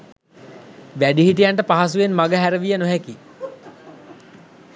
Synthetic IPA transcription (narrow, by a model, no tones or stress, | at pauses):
ʋæɖiɦiʈ̬ijaɳʈəpaɦasuenmaɡəɦæɾəʋijənoɦæki